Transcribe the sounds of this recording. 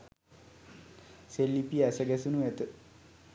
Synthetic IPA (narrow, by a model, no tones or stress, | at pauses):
selːipiəæsəɡɛsunuʋɛt̪ə